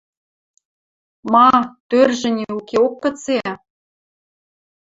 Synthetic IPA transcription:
mɑt̪ørʒɘ̆nʲeukeokːɤ̆t͡se

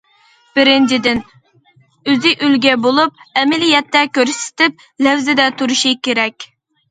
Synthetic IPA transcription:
b̥ɪɾɪnt͡ʃʰid̪ɪn | øzɪʔylɡʲɛbolˠup̚ɛmɪlijɛt̪ːɛkʲøɾsɪ̥t̪ɪp̚ | lɛwzɪd̪ɛt̪ʰuɾuʃikʲeɾɛkʲ

